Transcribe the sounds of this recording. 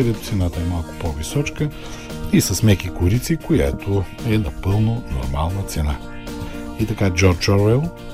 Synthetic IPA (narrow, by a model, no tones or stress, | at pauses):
ɛɾɛt̪t̪sɛnat̪əɛmalˠkʊ̥povisɔt͡ʃkə | isɐsmɛkikʊɾit̪sikoja̰t̪oɛnɐpɤlˠnono̰ɾma̰lˠnət̪sɛna̰ | it̪ɐkad͡ʒɔɾt͡ʃɔɾɛlˠ